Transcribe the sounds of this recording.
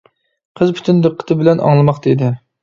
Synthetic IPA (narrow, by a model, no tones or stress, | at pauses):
qʰəzpʰy̥t̪ʰynd̪əqʰːə̥t̪ʰɨbɪlɛnʔɑ̰ŋlˠɨmɑqd̪ed̪ɪ